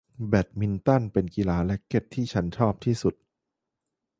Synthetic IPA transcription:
bɛ˨˩t̪̚mi˧nt̪a˥˩npe˧nki˧laː˦lɛ˦˥ke˦˥˩t̚t̪ʰːiː˥˩t͡ɕʰa˦˥nt͡ɕʰɔː˥˩p̚t̪ʰiː˥˩su˨˩t̪̚

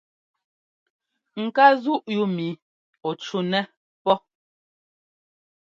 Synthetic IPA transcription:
ŋ̩˨ka˦zu˦ʔju˦mi˨˦ | ɔ˨t͡ʃu˦nɛ˦ | pɔ˦

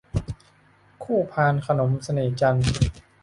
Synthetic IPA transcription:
kʰuː˥˩pʰaː˧nkʰa˧no˩˦msa˧neː˩t͡ɕa˧n

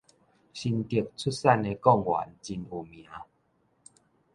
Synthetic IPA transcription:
ɕi˧nt̪i˨ək̚t͡sʰu˦t̚sa˥˧ne˧kɔ˥˧˨ŋwa̰˨˦nt͡ɕi˧nu˨˩mj̃ã˨˦

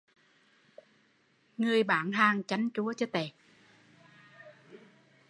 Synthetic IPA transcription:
ŋɨ˨˩əjɓaː˧˩nɦaː˨˩ŋt͡ɕa˨˦jŋ̟t͡ɕu˨˦ət͡ɕɔː˧˦t̪e˧˩

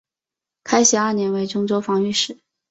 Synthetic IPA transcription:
kʰa˥ɪɕi˧˥ə˞˥˩njɛ˧˥nwe˧˥ɪʈ͡ʂʊ˥ŋʈ͡ʂo˥ʊfɑ˧˥ŋy˥˩ʂɻ̩˨˩˦

